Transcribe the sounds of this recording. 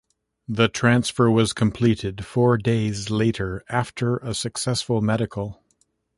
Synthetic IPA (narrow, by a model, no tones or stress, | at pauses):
ðɨtʰɹ̥æ̃nsfə˞wʌz̥kʰə̃m̩pʰl̥iɾɪd̥fɔɹdeɪzleɪɾə˞æftʰə˞ʔəsɨksɛsfəl̩ˠmɛɾɨkʰl̩ˠ